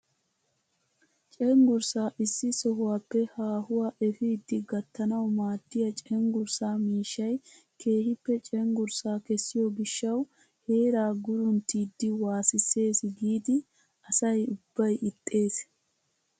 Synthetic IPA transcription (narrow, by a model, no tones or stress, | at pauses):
t͡ʃʼɛŋɡʊɾsaːʔɪsːɪsɔɦʊwaːpːɛhaːhʊwaːʔɛfɪːd̪ːɪɡɐt̪ːɐnɐwmaːd̪̥ːɪjɐt͡ʃʼɛŋɡʊɾsaːmiːʃːɐj | kʰe̞ːhɪpːɛt͡ʃʼɛŋɡʊɾsaːkɛsːɪjɔɡɪʃːɐw | he̞ːɾaːɡʊɾʊnt̪ːid̪ːɪwaːsɪsːe̞ːsɡiːd̪ɪ | ɐsɐjʊbːɐjʔɪt̪ʼːe̞ːs